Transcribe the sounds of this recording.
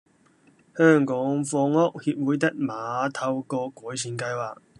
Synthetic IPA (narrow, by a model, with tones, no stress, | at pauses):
hœː˥˩ŋkɔː˨˥ŋfɔː˧ŋɔː˥k̚hiː˧p̚wuː˨˥jt̪ɐ˥k̚maː˨t̪ʰɐ˧wkɔː˧kʷɔː˨˥jsʰiː˨˥nkɐ˧jwaː˨k̚